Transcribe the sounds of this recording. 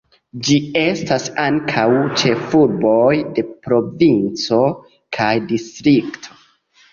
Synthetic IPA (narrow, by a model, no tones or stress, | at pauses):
d͡ʒie̞stasaŋkʰawt͡ʃe̞fuɾbo̞jde̞pɾo̞vint͡so̞ | kʰajdistɾiktʰo̞̥